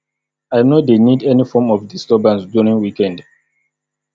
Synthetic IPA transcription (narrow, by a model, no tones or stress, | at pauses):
ajnodenidɛnifɔmɔfdistɔbãnsduɹĩŋwikɛ̃nd